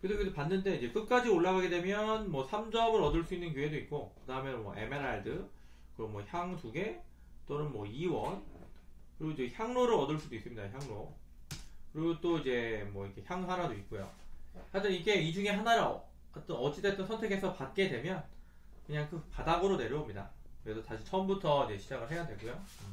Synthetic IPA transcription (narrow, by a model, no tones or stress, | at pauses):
kɯɯsʰekɯdopanːɯnde̞id͡ʑe̞k͈ɯk͈ad͡ʑioɭːaɡaɡe̞de̞mjʌnmwʌsʰamd͡ʑʌbɯɾʌdɯɭs͈uinːɯnkjuɦe̞doik̚k͈okɯdaɯmjʌnmwʌ̰ʔe̞me̞ɾaɭdɯ | kɯɾʌnmwʌçjaŋtuɡe̞ | t͈onɯnmwʌiwʌn | kɯɾiɡoid͡ʑeçjaŋnoɾɯɾʌdɯɭs͈udois͈ɯmɲidaçjaŋno | kɯɾiɡot͈oid͡ʑe̞mwʌikʰe̞çjaŋsʰaɾadoit̚k͈ojo̰had͡ʑiniɡe̞id͡ʑuŋe̞ɦanaɾ | ʌt͈ʌnʌd͡ʑ͈ide̞t͈ʌnsʰʌntʰe̞ɡʰe̞sʰʌpat̚k͈e̞dwe̞mjʌn | kɯɲaŋkɯpadaɡɯɾone̞ɾjʌomɲida̰kɯɾe̞sʰʌtaɕʰit͡ɕʰʌmbutʰʌid͡ʑe̞ɕʰid͡ʑaɡɯɭɦe̞jadweɭɡojo